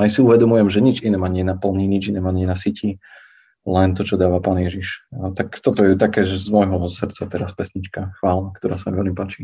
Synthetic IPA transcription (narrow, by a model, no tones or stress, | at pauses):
ajsiuʋɛd̪ɔmujɛmʒɛɲid͡ʒinɛmaɲɪɛjɛnapl̩ɲiɲid͡ʒinɛːmaɲɪɛnasicʰi | lɛnt̪ɔt͡ʃɔd̪aːʋapaːnjɛʒiʃət̪akt̪ɔt̪ɔjɛt̪akɛːʒɛzmɔjɦɔsrt̪t͡sat̪ɛɾaspɛsɲit͡ʃkaxʋaːlnakt̪ɔɾa̰ːsamiʋɛlmipaːt͡ʃi